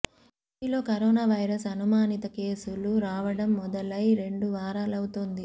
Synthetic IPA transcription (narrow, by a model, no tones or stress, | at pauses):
iiːlo̞ːkɐɾoːnaːʋɐjɾɐsɐnumaːnit̪ɐke̞ːsuluɾaːʋɐɽɐmːɔd̪ɐlɐjɾe̞ɳɖuʋaːɾaːlɐwut̪oːnd̪i